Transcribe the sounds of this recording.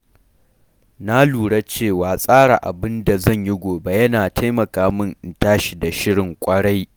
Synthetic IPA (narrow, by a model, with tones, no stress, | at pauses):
na˦luː˨ɽa˦t͡ʃeː˦˨waː˨sʼaː˦ɽa˨ʔa̰˨bɪ˦nda˨zɐ˦˨ɲji˦ɡʷoː˨ba˦jɐ˦naː˨ta˦jmɐ˨kaː˦mɪ˦nʔɪ˨ntaː˦ʃi˨da˨ʃɪ˦ɽɪ˨ŋkʷʼɐ˦ɽa˦j